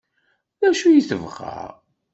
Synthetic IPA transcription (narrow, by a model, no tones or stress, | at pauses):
ðæʃujiθə̰vʁa̰ɾ